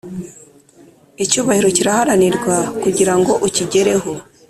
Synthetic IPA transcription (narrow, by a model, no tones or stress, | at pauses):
icuːβahiɾo̞ciɾahaɾaniɾɡwakuɟiɾaŋɡo̞ʔuciɟe̞ɾe̞ɦo